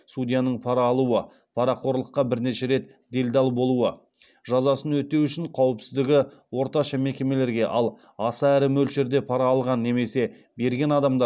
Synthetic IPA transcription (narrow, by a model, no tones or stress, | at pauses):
sud̪ʲijanəɴpʰɑɾɑːlˠuə | pʰɑɾɑqʰo̞ɾlˠəqːɑbɪɾne̞ʃe̞ɾe̞t̪ | d̪e̞lʲd̪ɑlˠbo̞lˠuə | ʒɑzɑsənwɵt̪ewʏʃɪɴqʰɑwəpsɪzd̪ɪɡʲɪwo̞ɾt̪ɑʃɑme̞kʲe̞me̞le̞ɾɡʲe̞ʔɑlˠ | ɑsɑæɾɪmɵlʃe̞ɾd̪e̞pʰɑɾɑːlˠʁɑnːe̞me̞se̞ | be̞ɾɡʲe̞nɑd̪ɑmd̪ɑ